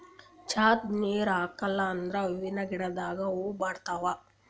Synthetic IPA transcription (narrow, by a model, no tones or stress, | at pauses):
t͡ʃʰaːt̪neːɾaːkɐlːaːnd̪ɾaʋiʋinːɐɡiɽad̪aːɡaobaːɽt̪aʋa